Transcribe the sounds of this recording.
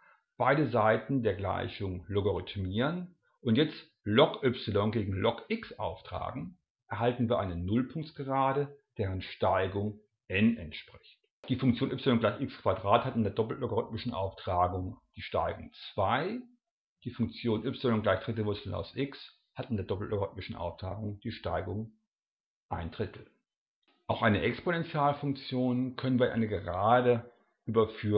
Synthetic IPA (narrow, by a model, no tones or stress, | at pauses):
b̥aɪdəzaɪtn̩deːɐɡla̰ɪçʊŋloɡoʁʏtmiːʁən | ʔʊntjɛt͡st | lɔkʔʏpsɪlɔnɡeːɡŋ̩lɔkʔɪksʔa̰ʊftʁ̥a̰ːɡŋ̩ | ʔɛɐɦaltn̩viːɐʔaɪnənʊlpʰʊŋktɡ̥əʁaːdəd̥eːʁənʃtaɪɡʊŋ | ʔɛnɛntʃpʁ̥ɪçt | d̥iːfʊŋk̚t͡sjoːnʔʏpsɪlɔnɡlaɪçʔɪkskv̥adʁaːthatɪndeːɐdɔpl̩tloɡoʁʏtmɪʃn̩ʔa̰ʊftʁ̥aːɡʊŋd̥iːʃta̰ɪɡʊŋt͡sv̥aɪ | d̥iːfʊŋkt͡sjoːnʔʏpsɪlɔŋɡ̥laɪçd̥ʁɪt̬l̩vʊɐt͡sl̩a̰ʊsʔɪks | hatɪndeɐdɔpl̩tlʔoɡʁʏt̚mɪʃn̩ʔa̰ʊftʁ̥a̰ːɡʊŋd̥iːʃtaɪɡʊŋ | ʔaɪndʁɪtʰl̩ | ʔaʊxʔaɪnəʔɛksponɛnt͡sjaːlfʊŋk̚t͡sjoːnkʰœnənviːɐʔa̰ɪnəɡəʁaːdə | ʔyːbɐfyː